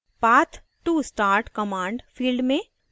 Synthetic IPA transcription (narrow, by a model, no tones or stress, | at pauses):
paːt̪ʰ | ʈːusʈaːɾʈkəmãːɳɖfʰiːlɖmẽ